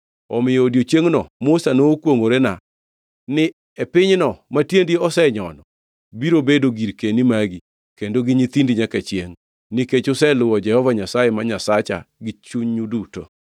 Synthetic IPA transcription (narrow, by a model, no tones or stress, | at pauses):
ɔmɪjɔdjot͡ʃjeŋnɔmʊsanokwoŋoɾena | nɪ | epɪɲnɔmatjendieɔsɛɲɔnɔ | biɾobedoɡiɾkenimaɡi | kendoɡɪɲit̪indiɲakat͡ʃjeŋ | niket͡ʃʊsɛlʊwɔd͡ʒɛhɔvaɲasajɛmaɲasat͡ʃa̰ɡɪt͡ʃuɲɲuduto̰